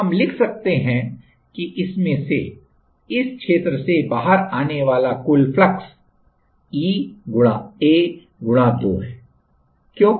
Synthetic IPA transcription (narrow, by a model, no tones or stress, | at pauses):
ɦɐmlɪkʰsɐk̚t̪eɦɛ̃ | kiʔɪsmẽse | ɪskʃeːt̪ɾəsebaːɦəɾaːneʋaːlakʊlflɐks | iːɡʊɽ̃aeː | ɡʊɽ̃ad̪o̰ːɦɛː | kjõː